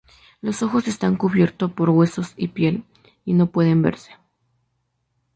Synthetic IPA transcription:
lo̞so̞xo̞se̞st̪aŋkuβje̞ɾt̪o̞po̞ɾɣwe̞so̞sipje̞l | ino̞pwe̞ðe̞mbe̞̰ɾse̥

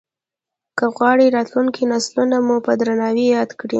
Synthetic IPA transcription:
kəɣwɑɽiɾɑt̪luŋkinaslunamupəd̪ɾanɑwijɑd̪kɽḭ

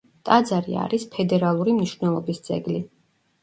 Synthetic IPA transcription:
t̪ʼad̪zaɾḭa̰ɾispʰɛd̪ɛɾalˠuɾimniʃvnɛlˠɔbist̪zʼɛ̰ɡli

